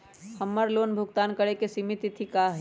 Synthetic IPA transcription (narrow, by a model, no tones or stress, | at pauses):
həmːəɾloːnbʱʊɡt̪aːnkəɽekesimit̪it̪ʰikaɦɛ